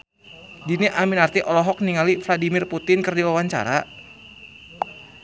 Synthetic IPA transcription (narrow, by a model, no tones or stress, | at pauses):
diniʔaminart̪iʔɔlɔɦɔk̚niŋalifladimɪrput̪ɪnkərdiwawaɲt͡ʃa̰ɾa